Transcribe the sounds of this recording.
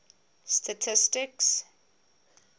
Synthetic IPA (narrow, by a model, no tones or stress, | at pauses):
stʰatʰɪstɪks